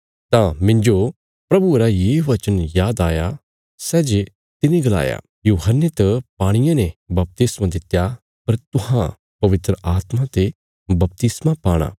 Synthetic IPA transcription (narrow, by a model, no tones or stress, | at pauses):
t̪ãmɪ̃ɲd͡ʒo | pɾɐbuɾajeːuʋɐt͡ʃənjaːd̪aːja | sɛːd͡ʒe | t̪ɪniɡɐla̰ːja̰ | juːɦənːet̪ɐpaːɽ̃ɪjãnebɐp̚t̪ɪsmãd̪ɪt̪ja | pɐɾt̪ʊhã | pɐʋɪt̪ɾəʔaːt̪mat̪e | bɐp̚t̪ɪsmapaːɽ̃a̰ː